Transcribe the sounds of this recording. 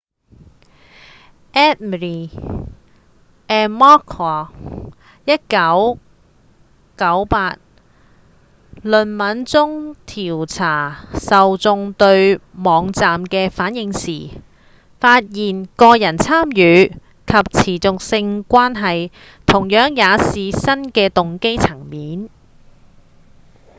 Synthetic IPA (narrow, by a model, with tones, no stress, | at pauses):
ʔɛ˥t̚m˨ɾi˨ | ʔɛː˨˧nmɔː˥kʰɔ˨˩ | jɐ˥t̚kɐ˨˥w | kɐ˨˥wpaː˧t̚ | lɵ˨nmɐ˨˥nt͡sʊ˥ŋt̪ʰiː˨˩wt͡sʰaː˨˩sɐ˨wt͡sʊ˧ŋt̪ɵ˧ɥmɔː˨˧ŋt͡saː˨mkɛː˧faː˨˥njɪ˧ŋsiː˨˩ | faː˧t̚jiː˨˩nkɔː˧jɐ˨˩nt͡sʰaː˥mjyː˨˧ | kʰɐ˨p̚t͡sʰiː˨˩t͡sʊ˨k̚sɪ˧ŋkʷaː˥nɦɐ˨j | t̪ʰʊ˨˩ŋjœː˨˥ŋjaː˨˧siː˨sɐ˥nkɛː˧t̪ʊ˨ŋke˥jt͡sʰɐ˨˩ŋmiː˨˥n